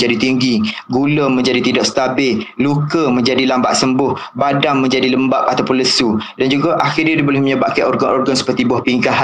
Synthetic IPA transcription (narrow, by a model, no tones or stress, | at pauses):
d͡ʒadit̪iŋɡiɡuləmə̃ɲd͡ʒadit̪idɔʔst̪abɛlukəmə̃ɲd͡ʒadilamba̰ʔsəmbʊh | badaŋmə̃ɲd͡ʒadiləmbap̚at̪awpʊnləsudand͡ʒuɡaʔaxirɲadibolɛhməɲəbap̚kanɔrɡanʔɔrɡansə̥pərt̪ibuahpiŋɡaɦa